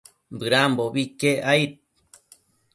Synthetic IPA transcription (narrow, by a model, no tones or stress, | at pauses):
mbɨɾamboβikeʔajt̪̚